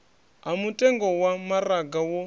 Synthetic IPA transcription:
ɦamutʼɛŋɡɔwamaɾaɡawɔ

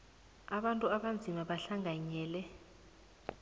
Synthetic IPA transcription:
aɓantʼuaɓand͡zʱimaɓaɬaŋʱaɲɛːlɛ

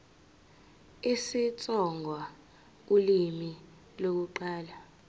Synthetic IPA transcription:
esit͡sʼɔŋɡʱwa | ulimi | lok̬uǃaːla

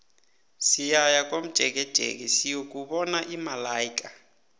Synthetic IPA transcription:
sijajakʼom̩d̥ʒ̥ʱɛk̬ɛd̥ʒ̥ʱḛk̬ɛsijok̬ʼuɓɔnaʔimalaːjikʼa

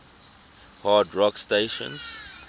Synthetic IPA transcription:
hadɹɔksteʃɔ̰̃ns

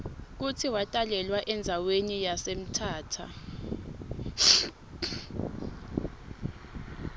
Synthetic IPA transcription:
k̬utʰiwatʼalɛlwaʔɛnd͡zʱawenijasem̩tʰaːtʰa̰

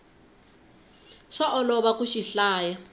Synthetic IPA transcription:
ʂaʔɔlɔβakʼuʃiɬaːja

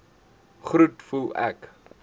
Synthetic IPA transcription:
χɾutfulˠæ̰k

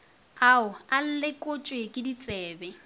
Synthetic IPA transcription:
aʊal̩lɪkʼot͡ʃʼwekʼɪdit͡sʼɛːbɛ

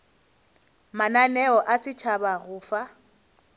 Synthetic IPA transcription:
mananɛɔʔasɪt͡ʃʰabaɣʊːfa

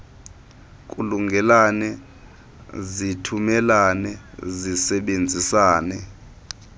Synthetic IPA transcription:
kʼuluŋɡʱɛlanɛ | zitʰumɛlanɛzisɛɓend͡zʱisaːnɛ

